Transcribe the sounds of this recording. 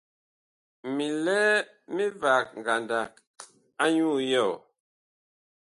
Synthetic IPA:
mi˨lɛː˦ | mi˦va˨k̚ŋ˨ɡa˨nda˨ | a˦ɲu˦˨jɔ˦˨

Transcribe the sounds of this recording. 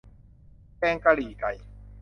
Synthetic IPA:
kɛː˧ŋka˧liː˨˩ka˨˩j

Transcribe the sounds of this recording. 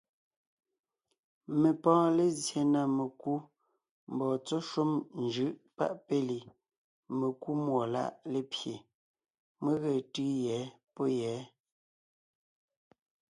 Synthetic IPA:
me˨pɔ̃ː˦le˨zje˨na˨me˨ku˦ | m̩˨bɔː˨t͡so˦ʃu˦mn̩d͡ʒɯ˦ʔpa̰˦ʔpe˦li˨ | me˨ku˦mwɔ˨la̰˦˨ʔle˦pje˨ | me˦ɣe˨tɯ˦jɛː˨˦ | po˦jɛː˨˦

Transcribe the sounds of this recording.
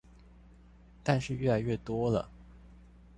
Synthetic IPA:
t̪a˥˧nʂɻ̩˥˧ɥɛ˥˩la˧˥ɪɥɛ˥˩t̪wɔ˥lə̰˨˩

